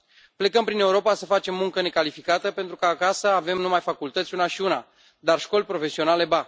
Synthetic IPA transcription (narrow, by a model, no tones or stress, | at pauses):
ple̞kəmpɾine̞uɾo̞pasəfat͡ʃe̞mːuŋkəne̞kalifikat̪əpe̞nt̪ɾukəːkasəave̞mnumajfakult̪ət̪sʲunaʃiuna̰ | d̪arʃko̞lʲpɾo̞fe̞sio̞nale̞ba